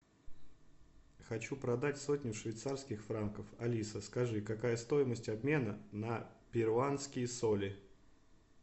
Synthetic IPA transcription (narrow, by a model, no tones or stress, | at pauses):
xɐt͡ɕupɾɐd̪atʲso̞tʲnʲjʊʂvʲɪjt̪sarskʲɪxfɾankəfɐlʲisəskɐʐɨkɐkajəst̪o̞jɪməsʲtʲɐbmʲe̞nənəpʲɪɾʊanskʲɪjəsolʲɪ